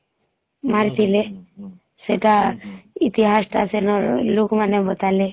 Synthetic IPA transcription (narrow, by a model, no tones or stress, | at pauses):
maɾt̪ile | set̪ait̪iɦasʈa̰senɔɾlukmanebət̪ale